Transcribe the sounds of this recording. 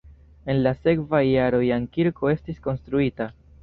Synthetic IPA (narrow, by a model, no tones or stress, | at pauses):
e̞nlase̞kvajːaɾo̞jaŋkiɾko̞e̞stisko̞nstɾuita